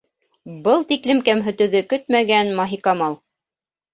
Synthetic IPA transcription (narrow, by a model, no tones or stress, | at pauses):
bɤlˠt̪iklɘmkæmɦɵ̆t̪ɵ̆ðɵkɵt̪mæɡænmɑɦikɑmɑlˠ